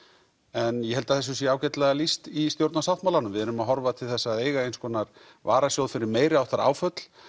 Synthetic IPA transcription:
ɛnjɛhɛlt̪aθɛs̬ːʏsjɛaːwcɛt̪lɛɣalist̪ist̪jowɾt̪nasawt̪mawlanʏmvɪðɛɾʏmaðɦɔɾvat̪ʰɪlθɛsːaðeːjɣaejnskʰɔːnaɾ | vaːɾasjowðfɪɾɪɾmeːjɾɪawθaɾa̰ːwfœt̪l̥

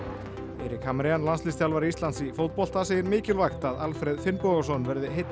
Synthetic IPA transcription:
ḛɾɪkhamɾɪjanlanslɪst̪jalvaɾiist̪ansifowt̪̚pɔl̥t̪asejɪɾmɪːcɪlvajxt̪aðalfɾɛðfɪnpɔɣasɔnvɛɾðɪɦejt̪n

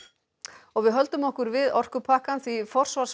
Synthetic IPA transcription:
ɔɣvɪðɦœlt̪ʏmɔhkʏɾvɪðɔr̥kʏpʰaːhkanθifɔr̥svaɾ̥s

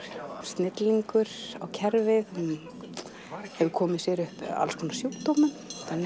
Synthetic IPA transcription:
st̪nɪt̪liŋkʏɾa̰wcʰɛɾvɪðn | hɛvʏkʰɔːmɪsjɛɾʏhpa̰lskʰɔːnḁsjuwt̪oːwmʏnθan

